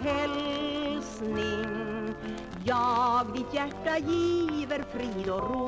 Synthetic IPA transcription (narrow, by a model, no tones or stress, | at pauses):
ɛlsnɪŋ | jɑːɡʋɪt̪jæʈːɑjiːʋəɾfɾiːd̪ɔɾo